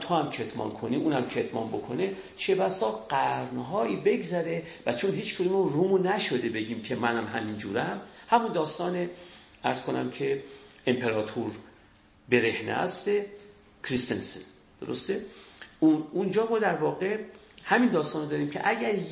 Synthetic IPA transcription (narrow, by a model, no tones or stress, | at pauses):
t̪ʰoæmcʰet̪ʰmɒ̰ːnkʰoniːʔuːnæmcʰet̪ʰmɒ̰ːnbo̞kʰo̞ne | t͡ʃʰe̞bæsɒːɢæɾnɦɒːiːbe̞ɡzæɾe̞væt͡ʃʰonɦiːt͡ʃkʰud̪umoɾuːmunæʃo̞d̪e̞be̞ɟiːmcʰe̞mænæmɦæmind͡ʒuːɾæmhæmund̪ɒːst̪ɒːneæɾz̥kʰo̞næ̰mcʰe̞empʰeɾɒːt̪ʰuɾ | be̞ɾe̞hnḛæ̰st̪e | kʰɾist̪ḛnsḛn | d̪̥o̰ɾost̪eunund͡ʒɒːmɒːd̪æɾvɒːɣe̞ | hæmind̪ɒːst̪ɒːnod̪ɒːɾiːmcʰḛʔæɟæɾ